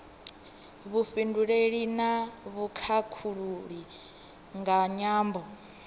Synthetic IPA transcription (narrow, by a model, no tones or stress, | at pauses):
βuɸinduɺeɺinaβukʰakʰuɺuɺi | ŋɡaɲaːmbɔ